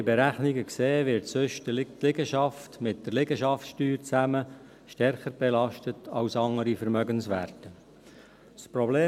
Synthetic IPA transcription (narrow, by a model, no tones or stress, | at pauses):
ibɛɾæχniɡəkseːʋɪɾtsʏʃttlɪɡəʃɑftmɪt̚d̥əɾlɪɡəʃɑfʃtyːɾt͡sæmə | ʃtɛɾχəɾb̥ɛlɑʃtətʰɑwsɑŋəɾifəɾmœɡənsʋæ̰ːɾtə | spɾɔbleː